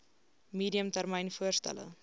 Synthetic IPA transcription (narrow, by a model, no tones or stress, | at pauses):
miːdiəmtærməjnfuərstæ̰lə̰